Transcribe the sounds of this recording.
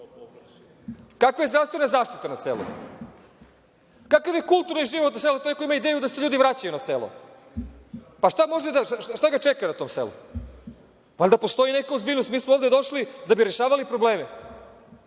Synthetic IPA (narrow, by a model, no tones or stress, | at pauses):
kakʋajezd̪ɾafst̪ve̞nazaːʃt̪it̪anasḛlṵ | kakaʋjekulˠt̪uɾniʒiʋot̪naselot̪oekoimaid̪eːjud̪aseʎuːd̪iʋɾat͡ɕajunaselˠo̰ | paʃt̪amo̞ʒed̪aʃaaʃt̪aɡat͡ʃekanat̪o̞ːmsḛlṵ | valʲd̪apo̞st̪o̞inekaozbiʎnost̪miːsmooːvd̪ed̪o̞ʃlid̪abiɾe̞ʃaːʋalipɾo̞bleːme